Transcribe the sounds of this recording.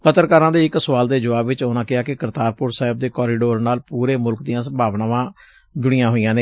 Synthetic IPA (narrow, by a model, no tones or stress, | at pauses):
kət̪əɾkəɾãːd̪eːɪksʋaːld̪eːd͡ʒəʋaːbʋɪt͡ʃonãːkɪaːkekəɾt̪aːɾpʊɾsaːɦɪb̚d̪eːkɔːɾiːɖoːɾnaːlpuːɾeːmʊlkd̪ijãːsəmbʱaːʋnãːʋãː | d͡ʒʊɽ̃ɪjãːɦoːijãːneː